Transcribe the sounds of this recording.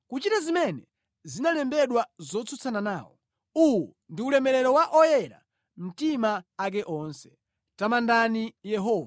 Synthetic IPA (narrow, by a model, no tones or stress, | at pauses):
kut͡ʃitazimɛnɛ | zinalɛmbɛɗwazɔt͡sʰut͡sʰananaːwɔ̰ | uwɔ | ndiulɛmɛɾɛɾɔwaʔɔjɛɾa̰ | m̩timaːk̬ɛʔɔːnsɛ̥ | tamandanijɛɦɔːva